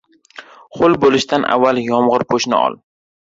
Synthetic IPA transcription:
χʊlbolɪʃt̪anʔa̰vːaljɒmʁɨɾpʰoʃnɪ̰ɒ̰lˠ

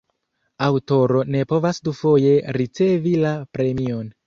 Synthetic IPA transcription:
awto̞ɾo̞ne̞po̞vasdufo̞je̞ɾit͡se̞vilapɾe̞mio̞n

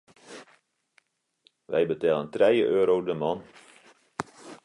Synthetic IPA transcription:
ʋɛ̰jbətɛːləntrɛjəʔøːɾowdəmɑn

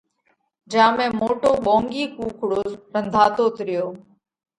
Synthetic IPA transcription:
d͡ʒãːmẽːmoːʈoːɓõːŋɡiːkuːkʰɽoːɖənd̪ʱaːt̪oːt̪ɾɪjoː

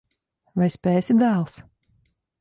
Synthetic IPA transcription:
vajsʲpʲɛːsʲid̪aːlˠs

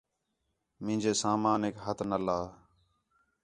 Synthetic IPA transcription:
mɪ̃ːd͡ʒeːsaːmaːnɪkɦət̪nəlaː

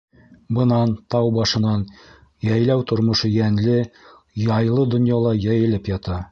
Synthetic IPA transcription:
bɤ̆nɑnt̪ɑwbɑʃɤ̆nɑn | jæjlæwt̪ŏɾmŏʃɤjænlɘ | jɑjlˠɤd̪ŏnjɑlˠɑjæjɘ̆lɘpjɑt̪ɑ

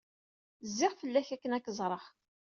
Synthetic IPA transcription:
zːɪʁfəlːæçækːənækːəzˤɾˤəχ

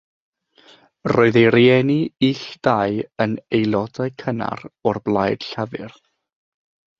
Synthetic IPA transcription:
rɔɨðeɾiɛniiɬd̥ajənejlˠɔdaɨkʰəna̰ɾɔrblˠajd̥ɬavɨ̰r

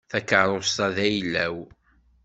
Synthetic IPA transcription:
θækəɾˤost̪ɑðæjlːæw

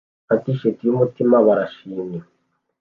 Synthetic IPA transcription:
atiʃetijumutimaβaɾaʃiːɲɲe

